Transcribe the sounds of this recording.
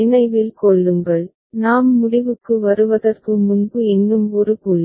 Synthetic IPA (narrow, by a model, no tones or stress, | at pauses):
ɪnɐɪʋɪlkɔɭːɯmbɐɭ | naːmːʊɽɪʋɯkːɯʋɐɾɯʋɐðɐrkɯmʊnbɯɛnːɯmɔɾɯkuɭː